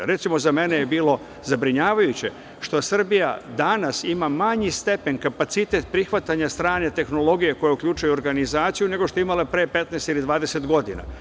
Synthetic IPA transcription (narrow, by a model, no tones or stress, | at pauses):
ɾe̞t̪simo̞zame̞ne̞jebiːlo̞ | zabɾiɲaːʋajut͡ɕe̞ | ʃt̪o̞sr̩bija̰d̪anasimamaɲist̪e̞peɲkapat̪sit̪e̞t̪̚pɾixʋat̪aɲast̪ɾaːɲet̪e̞xno̞lo̞ɡijeko̞jeukʎʲuːt͡ʃujuoɾɡanizaːt̪sijune̞ɡo̞ʃt̪o̞imalepɾe̞ːpe̞t̪nɛːst̪ilid̪ʋaːd̪e̞se̞t̪ɡo̞d̪ina̰